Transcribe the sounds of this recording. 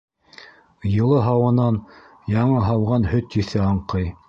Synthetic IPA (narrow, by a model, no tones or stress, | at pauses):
jɤ̆lˠɤɦɑwɤ̆nɑn | jɑɴɤɦɑwʁɑnhɵt̪jɵ̆θɘɑɴqɤj